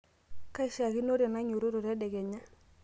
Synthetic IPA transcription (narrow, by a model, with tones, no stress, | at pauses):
ka˦i˨ʃa˨ki˦no˦ɾja˨na˦ɲu˨ɾo˦ɾo˨ɾja˦dɛ˨ɡe˨ɲa˦